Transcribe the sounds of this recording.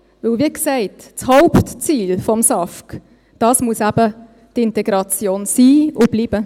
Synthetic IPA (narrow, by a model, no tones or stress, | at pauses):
vɵlviːksɛɪtt͡shaʊptt͡siːlfɔmsɑfk | d̥ɑːsmuəsæb̥ə | tɪntɛɡ̥ɾɑt͡sjoːnsiːʊb̥liːb̥ə